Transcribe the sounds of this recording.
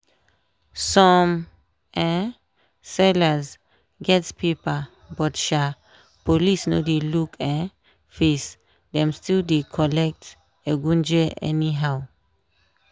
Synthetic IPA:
sɔm | ɛ | sɛləz | ɡɛtspʰipə | bɔtʃa | pʰolisno̰delukʰɛ̃ | fis | d̪ɛ̃mstildikʰɔlɛk̚t | eɡũnd͡ʒeʔɛ̰niɦaʊ

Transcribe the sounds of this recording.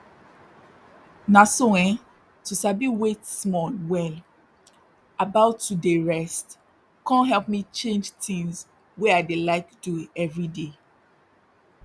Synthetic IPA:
nasoɛ̃ | tusabiwetsmɔlwɛl | abaʊtːudeɹɛst | kãnɦɛlp̚mit͡ʃẽnd͡ʒtĩŋz | weaɪdelaɪk̚tuɛvɹide

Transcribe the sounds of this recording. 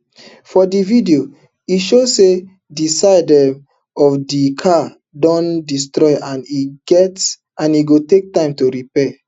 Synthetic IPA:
fɔdividio | iʃose | disaɪdɛ̃m | ɔfdikʰa | dɔ̃ndistɹɔɪʔãniɡ̥ɛts | ãniɡotek̚tãɪ̃mtoɾipɛ

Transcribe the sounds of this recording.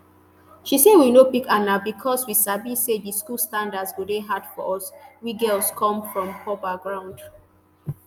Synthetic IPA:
ʃisĩwinobiɡanabikʰɔswisabisediskulstãndadsɡudeɦadfɔʔɔswiɡɛlskʰɔ̃mfɹɔ̃mpʰɔpaɡɹãʊ̃nd

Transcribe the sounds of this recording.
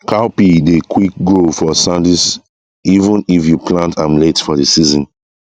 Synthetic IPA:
kʰaʊpidekʰwik̚ɡɹofɔsãndis | ivə̃nifjupʰlãntʰãmletfɔdisizɔ̃n

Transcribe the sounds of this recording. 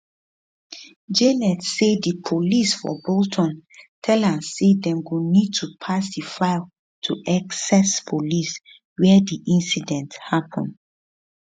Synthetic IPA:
d͡ʒenɛdsedipʰolisfɔ̰boltʰɔ̃ntʰɛlãmsedɛ̃mɡonid̚tʰupʰasdifaɪl | tʰuʔaksɛspʰolis | wɛdiʔĩnsidɛ̃nthapʰɔ̰̃n

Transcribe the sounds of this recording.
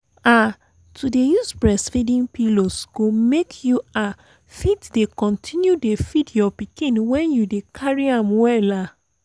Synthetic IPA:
a | tʰudejuspɹɛsfidĩnpilosɡ̥omekʰjua | fitdekɔ̃ntʰĩnjudefidjɔpikĩnwɛ̃njudekʰaɹiãmwɛla

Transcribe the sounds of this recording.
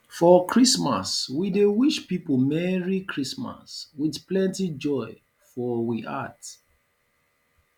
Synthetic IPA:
fɔkɹisma̰swidewiʃpipmɛɹikʰɹisma̰swiθplɛ̃ntid͡ʒɔɪ | fɔwiʔa̰t

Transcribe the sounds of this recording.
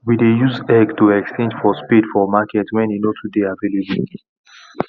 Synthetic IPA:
widejuzɛɡtuɛkst͡ʃʰɛ̃nd͡ʒfɔspidfɔmakʰɛtwɛ̃nenotʰudeavelibĩ

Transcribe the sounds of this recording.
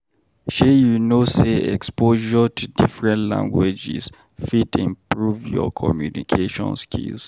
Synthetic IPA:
ʃejunoseɛ̰kspoʒɔtʰudifɹɛ̃ntlã̰ŋɡwed͡ʒḭz | fitĩmpɹuvjɔ̰kʰɔmjunikʰeʃɔ̰̃nskʰḭls

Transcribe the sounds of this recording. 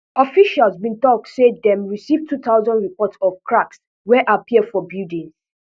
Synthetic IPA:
ɔfiʃalzbĩntɔk̚tsedɛ̃mɹisivtʰutʰaʊzɔ̃ndɹipɔtsɔvkʰɹaks | wɛʔapʰiəfɔbjudĩns

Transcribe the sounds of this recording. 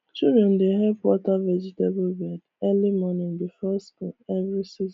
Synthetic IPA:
t͡ʃuɾɔndeɦɛvwɔtavɛd͡ʒitebʊbɛd | ɛlimɔnɪ̃ndɪfɛskuɛvɾisiz

